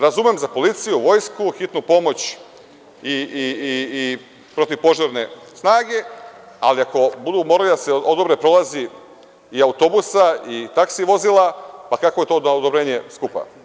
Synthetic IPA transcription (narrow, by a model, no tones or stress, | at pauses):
ɾazumemzapo̞lit̪sijuʋo̞jskuxit̪nupo̞mo̞t͡ɕ | iiiː | pɾo̞t̪iʋpo̞ʒaɾne̞snaːɡe̞ | aliako̞bud̪umo̞ɾalid̪aseod̪obɾepɾo̞lˠazi | iaut̪o̞busait̪aksiʋo̞zilˠapakako̞je̞t̪o̞ːd̪od̪obɾe̞ːɲe̞skupa̰